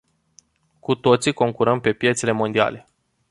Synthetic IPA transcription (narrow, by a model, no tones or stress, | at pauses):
kut̪o̞t̪siko̞ŋkuɾəmpe̞pje̞t̪se̞le̞mo̞nd̪ia̰le̞